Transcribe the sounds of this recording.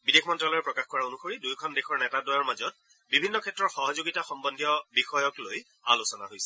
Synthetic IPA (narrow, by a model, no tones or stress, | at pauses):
bidekʰmɔntɹalɔɹɛpɹɔkaxkɔɹaonuxoɹidujkʰɔndexʰɔɹnɛtadɔjaɹmazɔt̚ | bibʱinːɔkʰɛtːɹɔtxɔɦɔzoɡitaxɔmbɔndʱijɔbixɔjɔkloj | alosɔna̰ɦojsɛ